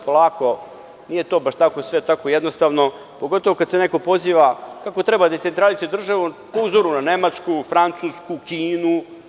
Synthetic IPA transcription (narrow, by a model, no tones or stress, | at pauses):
polˠaːko̞ | nijet̪o̞ːbaʃt̪akosʋet̪akojed̪nost̪aːʋno | po̞ɡot̪oʋokad̪seneko̞po̞ziːʋakakot̪ɾebad̪et̪e̞nt̪ɾalisijed̪r̩ʒaʋupouzoɾunanemat͡ʃkufɾant̪suːskukiːnu